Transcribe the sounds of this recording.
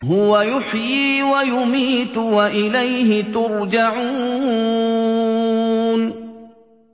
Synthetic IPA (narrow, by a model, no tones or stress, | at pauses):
ɦʊwajʊħjiːwajʊmiːt̪ʊwaʔɪlajɦɪt̪ʊɾd͡ʒaʕuː | n